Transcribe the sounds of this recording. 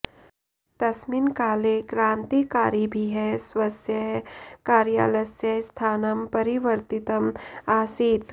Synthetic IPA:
t̪ɐsmiːnkaːlekɾãːnt̪ikaːɾibʱiɦɛsʋɐsjɐkaːɾja̰ːlɐsjɐst̪ʰaːnɐmpɐɾiʋəɾt̪it̪ɐmaːsiːt̪

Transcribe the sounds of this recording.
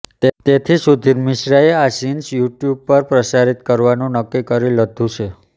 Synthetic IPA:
t̪et̪ʰisud̪ʱiɾmɪʃɾaeasinsjuʈjub̚pəɾpɾəsaɾit̪kəɾʋanũnəkːikəɾiləd̪ʱũt͡ʃʰe

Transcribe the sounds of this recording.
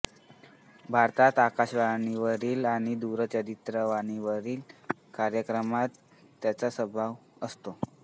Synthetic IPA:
bʱaɾt̪at̪akaɕʋaniʋəɾiːlaɽ̃id̪uɾət͡ɕəd̪it̪ɾəʋañiʋəɾiːlkaɾjəkɾəmat̪ː | jat͡sasəbʱaʋəst̪o

